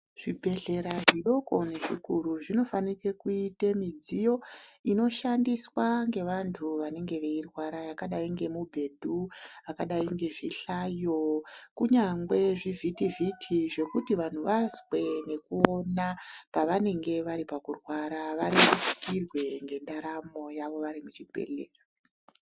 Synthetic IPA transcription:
ʐ̥ibʱe̞ɮe̞ɾaʐiɗo̞ko̞neʐikuɾuʐino̞fanikekuitemid͡zijo̞ino̞ʃandiswaŋɡe̞ʋantʰuʋane̞ŋɡe̞ʋeirwaɾajakaɗaiŋɡe̞mubʱe̞dʱuakaɗaiŋɡe̞ʐiɬajokuɲaŋɡwe̞ʐivʱitivʱitʰiʐe̞kutiʋan̤uʋazwe̞ne̞kuo̞napaʋane̞ŋɡe̞ʋaɾipakurwaɾaʋaɾimut͡ʃi̥kirwe̞ŋɡe̞ndaɾamo̞jaʋo̞ʋaɾimut͡ʃibʱe̞̰leːra

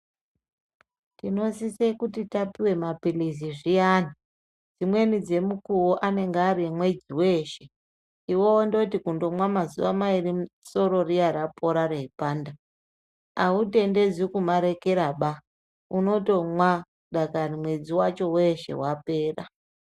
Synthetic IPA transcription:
tino̞sisekutitapiwe̞mapiliziʐijaːni | d͡zimwe̞nid͡ze̞mukuwoʔane̞ŋɡaɾiemwe̞d͡ziwe̞ːʃe̞ | iwo̞wondo̞tikundo̞mwamazṵʋamairimuso̞ɾo̞rijaɾapʰo̞ɾaɾeipaːnda | aute̞nde̞d͡zikumaɾe̞ke̞ɾaɓa | uno̞to̞mwa | ɗakarimwe̞d͡ziwat͡ʃo̞we̞ʃe̞̰wape̞ːra̰

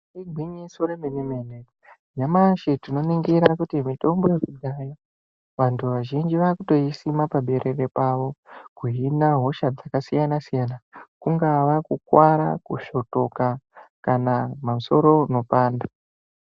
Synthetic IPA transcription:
iɡʱwiɲisoɾeminimene | ɲamaʃetino̞niŋɡiɾakutimito̞mbo̞je̞kuɗaja | ʋantʰuʋaʒind͡ʒiʋakuto̞isimapaɓe̞ɾere̞paʋo̞kuɦinaɦo̞ʃad͡zakasijanasijanakuŋɡaʋakukwaɾa̰kuʃo̞to̞kakanamamuso̞ɾo̞no̞paːnda

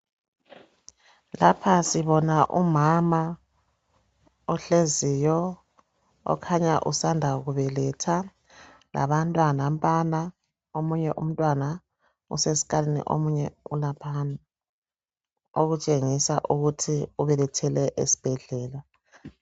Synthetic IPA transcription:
lapʰasiβɔnaʔumama | ɔɬezijɔ | ɔ̰kʰaɲaʔusandʱaɣuβɛlɛtʰa | la̰βantʼwanam̩tʼana | omuɲɛʔum̩tʼwana | ṵsesi̥kalinḭʔo̰muɲɛulapʰana | oɣut͡ʃʼeŋisaʔuɣutʰiuβɛlɛtʰɛlɛʔḛsi̥b̥ʱɛɮɛːla

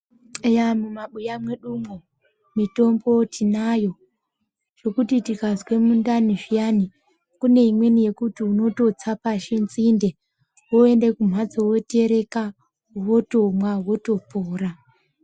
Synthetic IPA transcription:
ejamumaɓujamwe̞ɗumo | mito̞mbo̞tʰinajo̞ | ʐ̥o̞kutitikazwe̞mundaniʐijani | kune̞imwe̞nije̞kutiuno̞to̞t͡sapaʃenzinde̞ | woe̞ndekum̤wad͡zowote̞ɾe̞ka | wo̞to̞mwawo̞to̞poːɾa

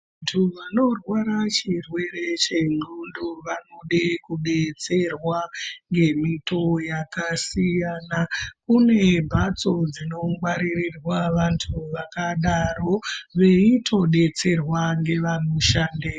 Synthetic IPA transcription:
aantʰuʋano̞rwaɾat͡ʃirwe̞ɾe̞t͡ʃe̞nunduʋano̞ɗekuɗe̞t͡se̞rwaŋɡe̞mito̞jakasijanakune̞bʱat͡so̞d͡zino̞mɡwaɾirirwaʋantʰuʋakaɗaro̞ʋe̞itʰo̞ɗe̞t͡se̞rwaŋɡe̞ʋanoʃaːnde

